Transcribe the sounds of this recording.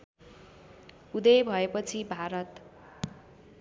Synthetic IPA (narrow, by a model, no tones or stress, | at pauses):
ud̪ʌjbʱʌepʌt͡sʰibʱaɾʌt̪